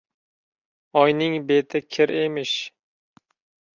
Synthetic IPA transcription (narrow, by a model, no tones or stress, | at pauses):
ɒjnɪŋbet̪ʰɪkʲʰɪɾemɪʃ